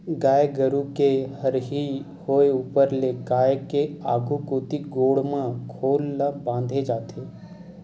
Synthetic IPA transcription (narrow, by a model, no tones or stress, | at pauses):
ɡaːeɡəɾukehɐɾɦi | hoːeuːpəɾlekaːjkeaːɡʱukoːt̪iɡoːɽmãkʰoːlːabãːnd̪ʱed͡ʒaːt̪ʰeː